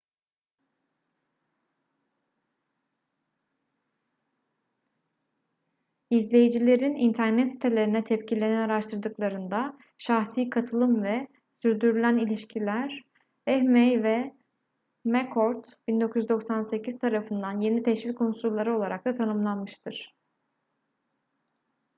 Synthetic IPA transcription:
izlʲe̞jid͡ʒilʲe̞ɾinint̪ʰæɾnɛt̪si̥t̪ʰe̞lʲe̞ɾinɛt̪ʰɛpcʰilʲe̞nɛnaɾaʃt̪ʰɯɾd̪ɯklˠaɾɯnd̪a | ʃaxsiːkʰat̪ʰɯlˠɯmvɛ | syɾd̪yɾylʲænilʲiʃcʰilʲæɾ | ɛhmɛjvɛ | mɛkʰoɾt̪b̥ind̪o̞kʰujyzd̪o̞ksanse̞cʰiz̥t̪ʰaɾafɯnd̪anje̞nit̪ʰɛʃvilʲkʰonsullˠːaɾɯo̞lˠaɾak̚t̪ˠat̪ʰanɯmlˠanmɯʃt̪ʰɯɾ̥

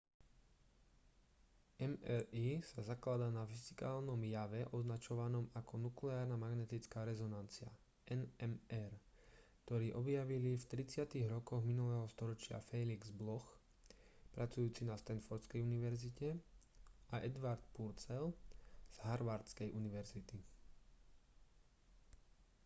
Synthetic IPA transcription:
ɛmɛɾiːsazaklad̪aːnafizi̥kaːlnɔmjaʋɛʔɔznat͡ʃɔʋanɔmakʰɔnuklɛaːɾnamaɡnɛt̪it͡skaːɾɛzɔnant͡sɪa̰ | ɛnɛmɛɾ | kt̪ɔɾiːʔɔbjaʋilift̪ɾit͡sɪat̪iɣɾɔkɔɣminulɛːɦɔst̪ɔɾɔt͡ʃɪa̰fɛjliɡzblɔx | pɾʔat͡sujuːt͡sinast̪ɛnfɔɾt̪t͡skɛjuniʋɛɾzicɛ | aʔɛd̪ʋaɾt̪puɾt͡sɛlz̥ɦaɾʋaɾt̪t͡skɛjʔuniʋɛɾzit̪i

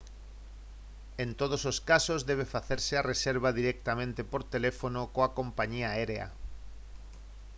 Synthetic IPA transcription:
ent̪oð̞ososkasozðeβ̞efaθeɾseareseɾβ̞aðiɾeɛk̚t̪amẽnt̪epoɾt̪elefonokoakompaɲiaeɾea̰

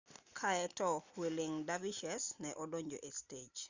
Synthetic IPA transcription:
kʰaɛtɔhwilɪŋdaviʃɛsnɛʔɔdoɲd͡ʒoʔested͡ʒ

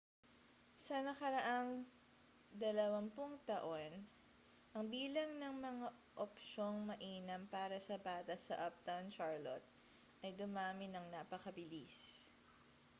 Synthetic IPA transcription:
sɐnɐkɐɾɐʔaŋ | d̪ɐlɐwɐmpʊŋt̪ɐʔo̞n | ʔɐŋbiːlɐŋnɐŋmɐŋa | ʔopʃo̞ŋmɐʔiːnɐmpaːɾɐsɐbaːt̪ɐsɐʔɐp̚t̪awnʃaɹlot̪̚ | ʔɐjɡ̪ʊmaːmɪnɐŋnaːpɐkɐbɪlis

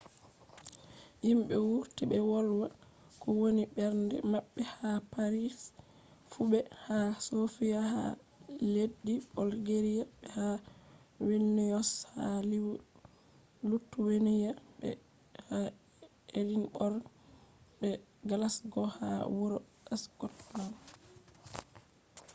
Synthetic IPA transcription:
jimɓɛwuɾtibɛwɔlwa | kɔwoniɓɛɾndɛ̰maɓːɛhapaɾis | fubɛhasofijaha̰ | ledːibɔlɡeɾijaɓɛha | wenːijɔsha̰li | lutːuwenijabɛ̰ | ha | eɾinbɔɾ | bɛɡalasɡɔha̰wuɾɔ | ɛsɡɔtman

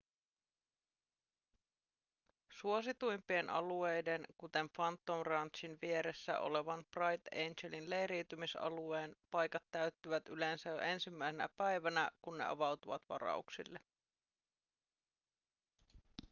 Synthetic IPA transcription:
suo̞sit̪ujmpienʔɑ̰lue̞jde̞nkut̪e̞ɱfɑnt̪ːonrɑnt̪ʃinʋie̞ɾe̞sːæ̰ʔo̞̰le̞ʋɑnbrɑjt̪ejnd͡ʒelinle̞jɾiwt̪ymisɑ̰lue̞ːnpɑjkɑt̪ːæyt̪ːyʋæt̪ylensæjoʔe̞nsimːæisenæ̰pæjʋænækunːe̞̰ʔɑ̰ʋɑwt̪uʋɑt̪ʋɑ̰ɾɑ̰uksḭlːe

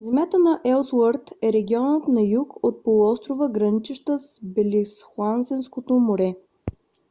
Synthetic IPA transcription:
zɛmʲjat̪ənɐʔɛlˠswəɾt̪ɛɾɛɡʲiɔnət̪nɐjukot̪̚polˠuɔst̪ɾovəɡɾɐnit͡ʃɛʃt̪əsbɛlʲisxlˠansɛnskot̪omoɾɛ

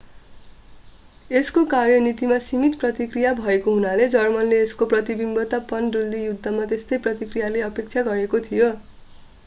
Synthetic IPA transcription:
eskokarjʌnit̪imasimit̪prʌt̪ikrijabʱʌekoɦunaled͡zʌrmʌnleːskoprʌt̪ibimbʌt̪apʌnɖuld̪ijud̪ʱːʌmat̪est̪ʌjprʌt̪ikrijaleʌpek̚t͡sʰaɡʌɾekot̪ʰijo

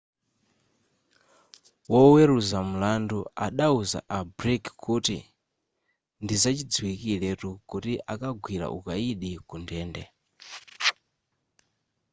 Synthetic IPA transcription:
wɔwɛɾuzam̩landuaɗauza̰ʔabɾikkʰutḭ | ndizat͡ʃid͡ziwikilɛtukutiʔakaɡʱwiɾa̰ʔṵkaiɗikundɛːndɛ

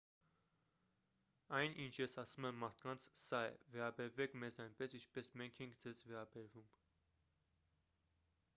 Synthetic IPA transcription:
ɑjnʔint͡ʃʰjɛsɑsumɛmːɑɾt̪ʰkɑnt͡sʰsɑɛ̰vɛɾɑbɛɾvɛkʰmɛzɑjnpɛsint͡ʃʰpɛsmɛŋkʰɛŋkʰd͡zɛzvɛɾɑbɛɾvum

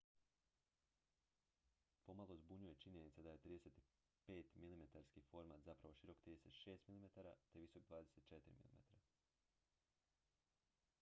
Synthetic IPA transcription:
po̞malo̞zbuɲuje̞t͡ʃiɲe̞nit̪sad̪aje̞t̪ɾiːd̪e̞set̪i̥ | peːt̪milimet̪aɾskifo̞ɾmat̪zapɾaʋo̞ʃiɾo̞kt̪ɾid̪eset̪ʃe̞ːst̪milimet̪aɾa̰t̪e̞ʋiso̞k̚d̪ʋaːd̪e̞se̞t̪̚t͡ʃe̞t̪iɾḭmḭlḭmet̪aɾa

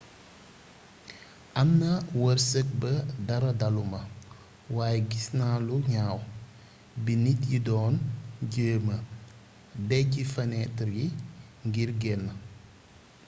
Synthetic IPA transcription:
ʔɐmnɐwəɾsək̚bədɐɾɐdalumɐ | waːjɛɡisnaːluɲaːw | binitjidɔːnɟəːmə | bɛɟifɐnɛtɐɾjiŋɡiɾɡɛlnɐ

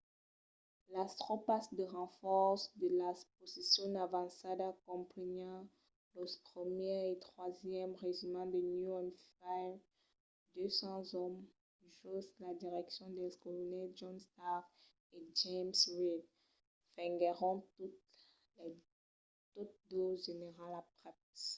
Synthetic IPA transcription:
last̪χɔpasd̪əʁɑ̃fɔʁsd̪əlasposisjɔ̃navɑ̃sad̪akɔ̃pləɲɑ̃ | lɔspχəmjɛʁet̪χwazjɛmʁezymɑ̃d̪ənjuɔ̃nfajv | d̪øsɑ̃zɔm | ʒɔslad̪iʁɛksjɔ̃d̪ɛskulunɛd͡ʒɔ̃nst̪a | ed͡ʒemswid | fɛ̃ŋɡɛʁɔ̃t̪u | l | t̪ot̪̚d̪oʒeneʁalapχɛps

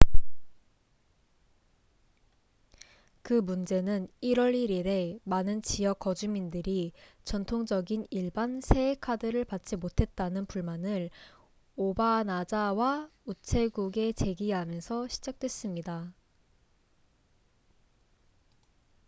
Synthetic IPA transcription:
kɯmund͡ʑe̞nɯniɾwʌɾiɾiɾe̞manɯnt͡ɕijʌk͈ːʌd͡ʑumindɯɾit͡ɕʌntʰoŋd͡ʑʌɡiniɭbansʰe̞ekʰadɯɾɯɭpat̚t͡ɕ͈imotʰe̞t̚t͈anɯnpuɭmanɯɭ | obanad͡ʑawaut͡ɕʰe̞ɡuɡe̞t͡ɕe̞ɡiɦamjʌnsʰʌɕʰid͡ʑak̚t͈we̞s͈ɯmɲida

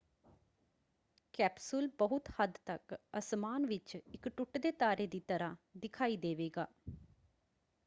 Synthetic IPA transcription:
kɛːpsʊlbəɦʊt̪həd̪t̪əkəsmaːnʋɪt͡ʃɪkʈʊʈd̪eːt̪aːɾeːd̪iːt̪əɾãːd̪ɪkʰaːiːd̪eːʋeːɡaː

